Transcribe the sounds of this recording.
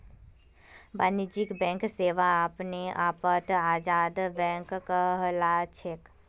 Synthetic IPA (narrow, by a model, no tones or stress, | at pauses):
baːnid͡ʒikbɛ̃ːŋkseːʋaaːpneʔaːpət̪aːd͡ʒaːd̪bɛ̃ːŋkkəɦlat͡ʃʰek